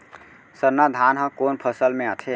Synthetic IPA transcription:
səɾnad̪ʱanɦə̃konpʰəsəlmẽət̪ʰe

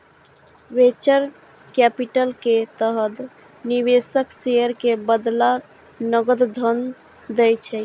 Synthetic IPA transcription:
ʋet͡ʃəɾ | kɛpiʈəlket̪əɦəd̪ | niβesəksejəɾkebəd̪la | nəɡəd̪d̪ʱən | d̪ɛjt͡ʃʰɛ

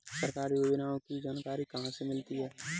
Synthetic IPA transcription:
səɾkaːɾiobɪnaːõkid͡ʒaːnkaːɾikɐɦãsemɪlt̪iɦɛː

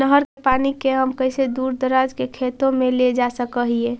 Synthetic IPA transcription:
nəɦəɾkepaːnikeɦəmkəɪsed̪uːɾd̪əɾaːd͡ʒkekʰeːt̪õmẽled͡ʒasəkəɦieː

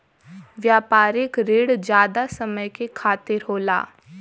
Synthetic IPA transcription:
ʋjaːpaːɾɪkɾeːɽd͡ʒjaːd̪asəməjkekʰaːt̪ɪɾɦoːla̰ː

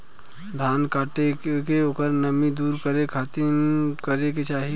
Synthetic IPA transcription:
d̪ʱaːnkaːʈekkeoːkəɾnəmid̪uːɾkəɾekʰat̪inkəɾeket͡ʃaːɦi

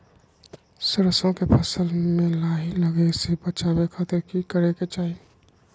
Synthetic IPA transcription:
səɾəsõkepʰəsəlmẽlaːɦiləɡesebət͡ʃaːbekʰaːt̪ɪɾkikəɾeket͡ʃaːɦi

